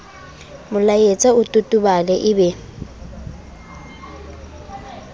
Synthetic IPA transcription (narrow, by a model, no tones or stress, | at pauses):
mʊlajet͡sʼaʊtʼʊtʼʊbalɛʔɪbɛ